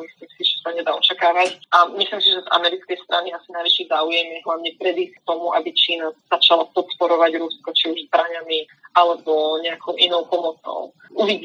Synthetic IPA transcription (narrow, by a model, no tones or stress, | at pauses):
mislimsiʒɛsaɲɛd̪aːɔt͡ʃakaːʋacʔamislimsiʒɛza̰mɛɾit͡skɛjst̪ɾʔa̰niasinajʋiʃizaːujɛmjɛɦlaʊɲɛpɾɛd̪isk̚t̪ɔmuʔa̰bit͡ʃiːnaz̥at͡ʃalapɔt̪pɔɾɔʋaɟɾuskɔt͡ʃiuʒzbɾaɲami | ʔalɛbɔɲɛakʰɔʊʔinɔʊpɔmɔt͡sɔ̰ʊ | uʋiɟi